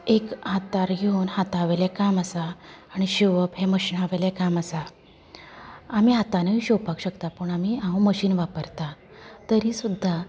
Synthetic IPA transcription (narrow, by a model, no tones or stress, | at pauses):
ekɦat̪aɾɡʱeunhat̪aʋelɛkaməsaːɽ̃iɕiʋəpɦeməɕiːnaʋelɛkamasa | amiːɦat̪anəiɕowpakɕəkt̪apəɳamiːãʋũməɕiːnʋapəɾt̪a | t̪əɾiːsud̪ʱːa